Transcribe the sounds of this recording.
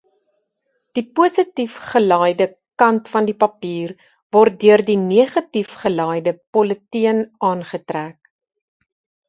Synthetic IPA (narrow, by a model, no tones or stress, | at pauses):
d̥ipuəsətifχəlɑːjdə | kɐntfɐndipɐpiːr | vɔrt̚dyərdiniəχɐtifχəlɑːjdəpɔlətiənɑːnχətræːk